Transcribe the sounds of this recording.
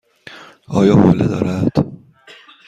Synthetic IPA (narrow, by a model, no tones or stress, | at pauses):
ʔɒːjɒːbɒːled̪ɒ̰ːɾæd̪̥